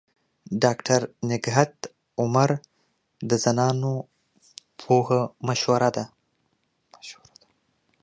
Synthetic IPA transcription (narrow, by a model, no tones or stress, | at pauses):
ɖɑkʈʰaɾnɪɡɦat̪ | ʊmaɾ | d̪əzanɑno | pʰohamaʃwaɾad̪a